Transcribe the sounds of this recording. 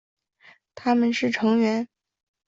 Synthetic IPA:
t̪ʰa˥mə˨nʂɻ̩˥˩ʈ͡ʂʰɤ˧˥ŋɥɛ˧˥n

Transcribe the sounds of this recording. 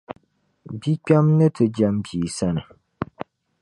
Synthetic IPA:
bi˦k͡pa˦mnɨ˦tɨ˨d͡ʒa˦mbiː˨sa˦nɨ˨

